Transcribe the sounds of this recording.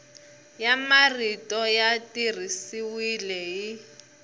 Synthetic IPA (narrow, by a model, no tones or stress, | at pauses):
jamaritʼɔjatir̤isiwilɛji